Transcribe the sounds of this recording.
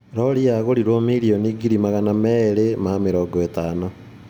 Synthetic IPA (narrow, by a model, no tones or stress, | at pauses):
ɾɔɾiaɣoɾiɾwomiɾioniːɡiɾimaɣanamɛɾemameɾɔːɡɔetaːnɔ